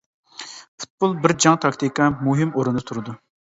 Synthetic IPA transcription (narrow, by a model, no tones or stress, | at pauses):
pʰu̥t̪̚bʊlˠbɪɾd͡ʒɑŋt̪ʰɑkt̪ʰikʰɑmuɦɪmoɾund̪ɨt̪ʰuɾɨd̪u